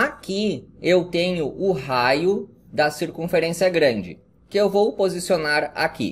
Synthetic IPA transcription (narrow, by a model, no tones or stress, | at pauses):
akiewt̪ẽɲʊʔʊɦajʊ | d̪ɐsiɾkũfeɾẽsiɐɡɾɐ̃nd͡ʒɪ̰ | kɪewvowpozisionaɾa̰kḭ